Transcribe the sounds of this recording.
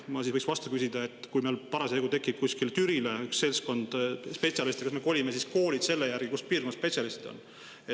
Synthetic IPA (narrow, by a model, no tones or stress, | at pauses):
mɑsisvɤjksvɑst̪ukysid̪̥ɑe̞t̪ːˑkujmeːlpɑɾɑseeɡut̪e̞kːˑip̚kusʲkilt̪yɾileyksːe̞lsko̞nd̪̥spe̞t̪sʲjɑlist̪ekɑsme̞ko̞lʲimesisko̞ːlid̪̥se̞lːejæɾɡ̥ikuspiːrkonːɑspe̞t̪sʲjɑlist̪id̪̥o̞̰n | e